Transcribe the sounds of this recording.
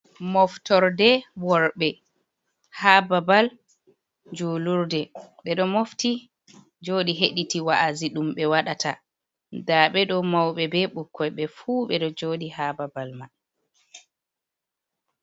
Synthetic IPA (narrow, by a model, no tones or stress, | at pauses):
mɔftɔɾdɛwɔɾɓɛ | hababal | d͡ʒuluɾdɛɓɛɗɔmofti | d͡ʒoːɗiɦeɗitiwaʔaziɗumɓɛwaɗatʰa̰ | daɓɛɗɔmawɓɛbɛɓukʰːɔjɓɛfuːɓɛɗɔd͡ʒoːɗihababalman